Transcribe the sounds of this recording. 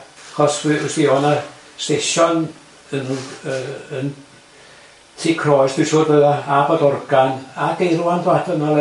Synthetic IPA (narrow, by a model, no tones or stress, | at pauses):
aχɔsiswiːhɔna | steʃɔn | ənəən | tʰiːkʰrɔjsd̥ɪsoːdbəðaabɔdɔrɡ̥anaɡejruandatʰənalɛ